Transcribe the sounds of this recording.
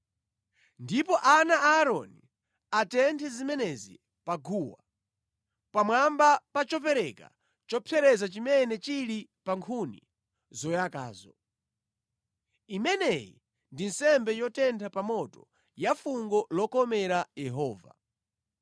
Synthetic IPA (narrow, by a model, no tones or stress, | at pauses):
ndipɔʔanaaːɾɔni | atɛntʰɛzimɛnɛzḭ | paɡuwa | pamwambapat͡ʃɔpɛɾɛka̰ | t͡ʃɔpʰɛɾɛzat͡ʃimɛnɛt͡ʃiɾipaŋkʰunḭ | zɔjaka̰ːzɔ | imɛnɛjḭ | ndinsɛmbɛjɔtɛntʰapamɔtɔ | jafuŋɡɔlɔkɔmɛɾajɛɦɔːva̰